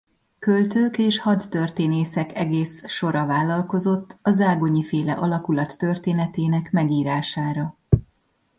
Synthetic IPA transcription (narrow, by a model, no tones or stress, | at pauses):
kølt̪øːkeːʃhɒt̪ːø̞rt̪eːneːsɛkɛɡeːsʃo̞ɾɒvaːlːɒlko̞zo̞t̪ːɒzaːɡo̞ɲifeːlɛʔɒlɒkulɒt̪ːø̞rt̪eːnɛt̪eːnɛkmɛɡiːɾaːʃaːɾɒ